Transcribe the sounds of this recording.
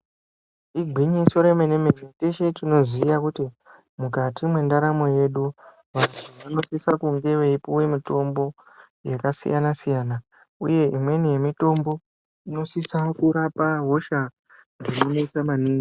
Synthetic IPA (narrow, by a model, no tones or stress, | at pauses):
iɡʱwiɲiso̞ɾemenemezeteʃetino̞zijakuti | mukatimwe̞ndaɾamo̞je̞ɗu | ʋan̤uʋano̞sisakuŋɡe̞ʋeipuwemito̞mbo̞ | jekasḭjanasijaːna | ṵje̞imwe̞nije̞mito̞mbo̞ | ino̞sisakuɾapaɦo̞ʃa | nd͡zino̞noisamaniːŋɡi